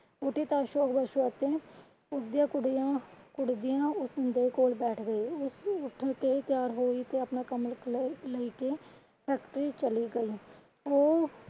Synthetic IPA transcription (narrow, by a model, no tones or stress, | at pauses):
ʊʈiːt̪aːʃoːkbəʃoːət̪ẽː | ʊsd̪ijãːkʊɽjãːkʊɽd̪ɪjãːʊsɪnd̪eːkoːlbɛːʈʰɡəiːʊsʊʈʰkeːt̪ɪjaːɾɦoːiːt̪eːəpnaːkəmləiːkeː | pʰɛːkʈəɾiːt͡ʃəliːɡəiː | oː